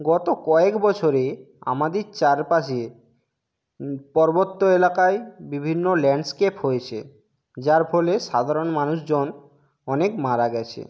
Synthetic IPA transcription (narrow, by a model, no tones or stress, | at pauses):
ɡɔt̪okɔekbɔt͡ɕʰoɾe | a̰mad̪eɾt͡ɕaɾpaʃie | pɔɾbot̪ːoelakaebibʱinːolɛɳɖskepɦojet͡ɕʰḛ | d͡ʑaɾpʰɔleʃad̪ʱaɾonmanuʃd͡ʑon | ɔnekmaɾaɡɛt͡ɕʰḛ